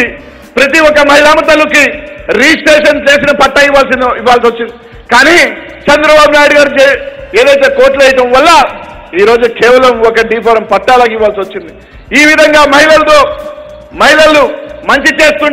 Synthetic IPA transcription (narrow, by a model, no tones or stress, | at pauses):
i | pɾɐt̪iwɔkɐmɐɦjlaːmɐt̪ɐlukiɾiːsʈeːʂɐnt͡ʃe̞ːs̬inɐpɐʈːɐjiʋːaːls̬iniʋːaːls̬iot͡ʃːind̪i | kaːniː | t͡ʃɛnd̪ɾɐbaːbunaːjiɽiɡaːɾut͡ʃeeːd̪ɐjt̪e̞ːkoːɾʈlɛjɐʈɐmʋɐlːɐ | iːɾo̞ːd͡ʒukɛːʋɐlɐmɔkɐɖiːpɐɾɐmpɐʈːaːlɐkiʋːaːlsiʋot͡ʃːind̪i | iːʋid̪ʱɐŋɡaːmɐjilɐlɐt̪o̞ː | mɐjlɐlːumɐɲt͡ʃit͡ʃe̞ːst̪uɳ